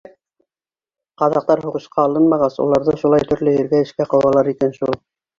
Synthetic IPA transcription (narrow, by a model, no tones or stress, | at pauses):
qɑðɑq̚t̪ɑɾɦuʁɤ̆ʃqɑːlˠɤnmɑʁɑsṵlˠɑɾðɤʃulˠɑjt̪ɵ̆ɾlɵɘ̆ɾɡæɘ̆ʃkæqɑ̆wɑlˠɑɾikænʃulˠ